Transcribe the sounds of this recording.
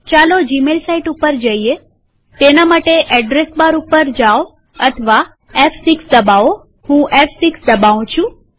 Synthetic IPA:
t͡ʃalod͡ʒimelsaiʈupəɾd͡ʒəie | t̪enamaʈeʔɛɖɾesbaɾupəɾd͡ʒaʋo | ət̪ʰʋa | ɛfʰsiksd̪əbao | hũʔɛfsiksd̪əbaʋũt͡ʃʰũ

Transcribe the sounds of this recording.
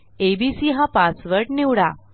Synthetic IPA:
ebisiɦãpasʋəɾʈniwɽa

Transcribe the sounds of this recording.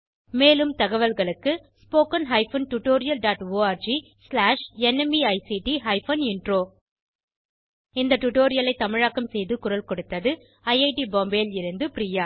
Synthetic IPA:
meːlɯmt̪ɐɣɐʋɐlɣɐɭɯkːɯspoːkɐnɦɐɪfɐnʈʊʈːoːɾɪjɐlɖaːʈoːaːɾd͡ʒi | slaːʂɛnɛmiɐɪsiʈiɦɐɪfɐnɪɳɖroː | ɪnd̪ɐʈʊʈoːɾɪjɐlɐɪt̪ːɐmɪɻaːkːɐmsɛjðɯkʊɾɐlkɔɽɯt̪ːɐðɯ | ɐɪɐɪʈiboːmbeːlɪɾɯnd̪ɯpɪɾijaː

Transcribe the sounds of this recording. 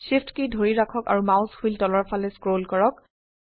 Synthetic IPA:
siftkedʱoɹiɹakʰɔka̰ɹumaʊ̃shujltɔlɔɹpʰalɛskɹolkɔɹɔk̚

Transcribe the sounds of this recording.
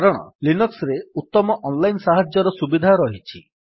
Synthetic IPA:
ɾɔɽ̃ɔ̰linuksɾeut̪ːɔmɔʔɔnlajnsaɦad͡ʒjɔɾɔsubid̪ʱaɾɔɦit͡ʃʰi

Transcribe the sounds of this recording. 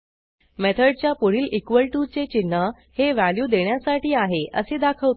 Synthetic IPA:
met̪ʰəɖ̚t͡ɕjapuɽ̤iːlʔikʋəlʈut͡set͡ɕinːə | heʋæljuːd̪eɳjasaʈiːaɦeʔəsed̪akʰəʋt̪

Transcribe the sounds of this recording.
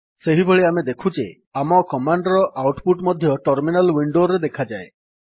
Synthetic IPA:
seɦibʱeɭiamed̪ekʰud͡ʒe | amɔkɔmaɳɖɔɾɔʔawʈpuʈmɔd̪ʱjɔʈɔɾminalwiɳɖoɾed̪ekʰad͡ʒae

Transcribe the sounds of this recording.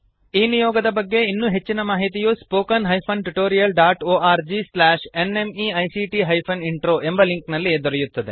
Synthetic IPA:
iːnijɔːɡɐd̪ɐbɐɡːe̞inːuːɦe̞t͡ʃːinɐmaːɦit̪ijuspoːkɐnɦɐjpʰɐnʈuʈoːɾijɐlɖaːʈoːaːɾd͡ʒislaːʃene̞miːɐjsiʈiɦɐjpʰɐniɳʈɾoːʔe̞mbɐliŋknɐlːid̪ɔɾɛjut̪ːɐd̪e

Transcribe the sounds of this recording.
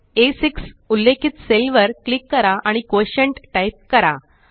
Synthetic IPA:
esiksulːekʰit̪selʋəɾklikːəɾaʔaɽ̃ikoɕəɳʈʈajp̚kəɾa̰

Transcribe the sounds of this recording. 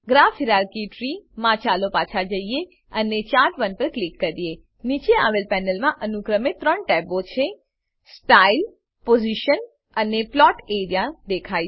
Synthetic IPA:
ɡɾafiɾaɾkiʈɾimãt͡ʃalopat͡ʃʰad͡ʒəie | ənet͡ʃaɾʋənpəɾklikːəɾije | nit͡ʃea̰ʋelpɛnəlmãʔənukɾəmet̪ɾəɳʈɛbot͡ʃʰe | sʈail | poziʃən | əneplɔʈeɾijad̪ekʰa

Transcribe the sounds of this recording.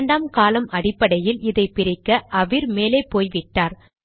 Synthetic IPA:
ɳɖaːmkaːlɐmɐɽɪpːɐɽɐjɪlɪðɐɪpɪɾɪkːɐʔɐʋɪɾmeːleːpoːjʋɪʈːaːɾ

